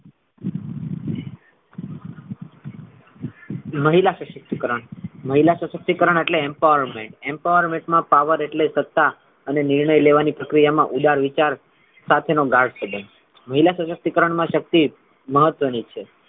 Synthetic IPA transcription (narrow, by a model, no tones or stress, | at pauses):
məɦilasəsək̚t̪ikəɾəɳməɦilasəsək̚t̪ikəɾəɳ̃eʈleempaʋəɾmẽɳʈẽmpaʋəɾmẽɳʈmãpaʋəɾeʈlesət̪ːa | ənenɪɾɳəjleʋanipɾəkɾijamãʔud̪aɾʋit͡ʃaɾ | sat̪ʰenoɡaɽsʰəd̪ʱən | məɦilasəsək̚t̪ikəɾəɳmãʃək̚t̪i | məɦət̪ːʋənit͡ʃʰe